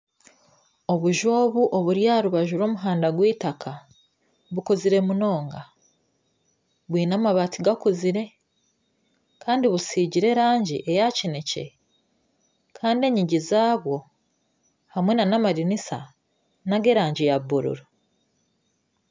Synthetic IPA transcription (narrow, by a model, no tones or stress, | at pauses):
o̞βuʒoːβuʔoβuɾjaːɾuβaʒuɾo̞ːmuɦaːndaɡwiːtakʰa | βukoziɾe̞muno̞ːŋɡa | βwiːnamaβatʰiɡakuziɾe̞ | kʰaːndiβusiːɟiɾe̞ɾaːɲɟiʔe̞jacinece̞̰ | kʰaːndie̞ɲiɟizaːβwo̞ | hamwenanamaɾinisa̰ | naɡe̞ɾaːɲɟijabuɾṵɾu